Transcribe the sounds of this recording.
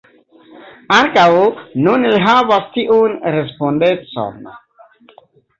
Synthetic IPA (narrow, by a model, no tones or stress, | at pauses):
ãnkawnunilɦavast̪iʔunɾɛspɔ̃ndẽtsɔ̰̃m